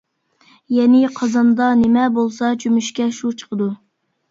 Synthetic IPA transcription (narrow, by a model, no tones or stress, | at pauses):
jɛnɪqʰɑzɑnd̪ɑnemɛbolˠsɑt͡ʃʰymyʃkʲɛʃut͡ʃʰə̥qʰəd̪u